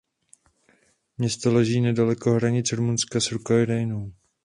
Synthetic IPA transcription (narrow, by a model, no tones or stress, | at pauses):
mɲɛst̪olɛʒiːnɛdalɛko̞ɦɾaɲɪt͡sɾumunskasɾukajdajnow